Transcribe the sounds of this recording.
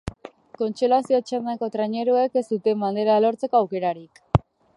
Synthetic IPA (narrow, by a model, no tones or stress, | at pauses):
ko̞nt͡ʃulasio̞t͡ʃand̪ako̞t̪ɾaɲe̞ɾueke̞st̪ut̪e̞mband̪e̞ɾalo̞ɾt͡se̞ko̞awke̞ɾaɾik